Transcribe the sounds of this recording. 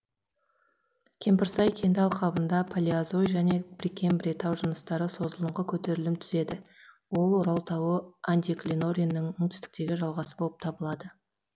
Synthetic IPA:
kʲʰe̞mpɪɾsɑjkʲʰe̞nd̪ɑlˠqʰɑbənd̪ɑpʰalʲiazojʒæne̞bɪɾikʲːe̞mbɾʲet̪ɑwʒənəst̪ɑɾəso̞zəlˠəɴʁəkʲʰɵt̪e̞ɾɪlɪmt̪ʰʏze̞d̪ɪ | wo̞lˠwoɾɑlˠt̪ʰɑwəand̪ʲiklʲino̞ɾʲijnːɪŋmɵŋt̪ʏ̥st̪ɪ̥k̚t̪e̞ɡʲɪʒɑlˠʁɑsəbo̞lˠəp̚t̪ʰɑbəlˠɑd̪ə

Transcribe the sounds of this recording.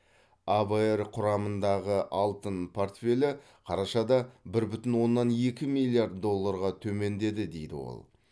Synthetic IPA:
aberqʰʊɾɑmənd̪ɑʁəʔɑlˠt̪ənpʰo̞rt̪fʲe̞lʲɪ | qʰɑɾɑʃɑd̪ɑbɪɾbʏt̪ɪnwo̞nːɑne̞kʲɪmilʲˠːijaɾt̪d̪o̞lˠːaɾʁɑt̪ʰɵme̞nd̪e̞d̪ɪd̪e̞jd̪ɪ̰wo̞̰lˠ

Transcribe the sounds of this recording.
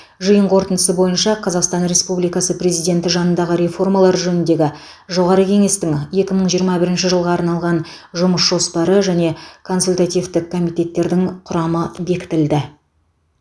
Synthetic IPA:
ʒəjəɴqʰo̞ɾt̪ənd̪əsəbo̞jənʃɑqʰɑzɑqst̪ɑnɾe̞spublijkɑsəprʲe̞zijd̪ʲe̞nt̪ɪʒɑnənd̪ɑʁəɾe̞fo̞rmɑlˠɑɾʒɵnɪnd̪e̞ɡʲɪ | ʒo̞ʁɑɾəkʲʰe̞ŋe̞st̪ɪŋje̞kʲɪməɴʒijəɾmɑbɪɾɪnʃɪʒəlˠʁɑːɾnɑlˠʁɑn | ʒʊməsʒo̞spɑɾəʒæne̞kʰo̞nsulʲt̪at̪ijvt̪ɪk̚kʰːo̞mijt̪e̞t̪ːe̞ɾd̪ɪŋqʰʊɾɑməbe̞kʲɪ̥t̪ɪld̪ɪ

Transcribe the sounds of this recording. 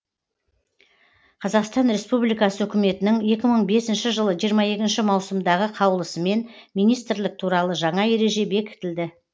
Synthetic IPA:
qʰɑzɑqst̪ɑnɾe̞spublijkɑsəwɵkʲɪme̞t̪ɪnɪŋe̞kʲɪməɴbe̞sɪnʃɪʒəlˠəʒijəɾmɑje̞kʲɪnʃɪmɑwsəmd̪ɑʁəqʰɑwlˠəsəme̞nmijnijst̪ɾlɪk̚t̪ʰuɾɑlˠəʒɑɴɑe̞ɾe̞ʒe̞be̞kʲɪ̥t̪ɪld̪ɪ

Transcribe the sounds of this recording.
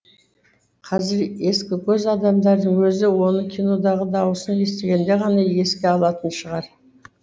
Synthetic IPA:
qʰɑzɪɾe̞skʲɪkʲʰɵzɑd̪ɑmd̪ɑɾd̪əɴwɵzɪwo̞nəkʲʰino̞d̪ɑʁəd̪ɑwəsənje̞st̪e̞ɡʲe̞nd̪e̞ʁɑnɑje̞skʲeɑlˠɑt̪ənʃəʁɑɾ

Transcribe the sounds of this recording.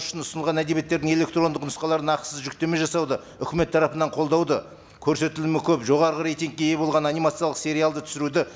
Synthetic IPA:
ʏ̥ʃɪnʊsnəlˠʁɑnæd̪e̞bet̪ːeɾd̪ɪŋe̞le̞k̚t̪ro̞nd̪əqnʊsqɑlˠɑɾənɑq̪səzʒʏk̚t̪e̞me̞ʒɑsɑwd̪ə | ʏkʲɪme̞t̪ʰːɑɾɑpənɑɴqʰo̞lˠd̪ɑwd̪ə | kʲʰɵɾse̞t̪ɪlumɪkʲʰɵpʒo̞ʁɑɾəʁəɾe̞jt̪iŋk̚kʲːeje̞bo̞lˠʁɑnɑnimat̪sijɑlˠəqse̞ɾijalˠd̪ət̪ʰʏ̥sɪɾud̪ɪ

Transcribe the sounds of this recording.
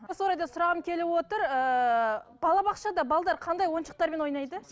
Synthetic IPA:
swoɾɑjd̪ɑsʊɾɑʁəmkʲʰe̞lɪwo̞t̪əɾə | b̥ɑlˠɑbɑqʃɑd̪ɑbɑlˠd̪ɑɾqʰɑnd̪ɑjwo̞nʃə̥q̚t̪ɑɾmenwo̞jnɑjd̪ə

